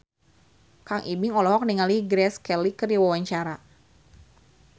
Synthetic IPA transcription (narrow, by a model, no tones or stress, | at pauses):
kaŋʔibɪŋɔlɔɦɔk̚niŋaliɡɾɛskɛlikəriwawaɲt͡ʃaɾa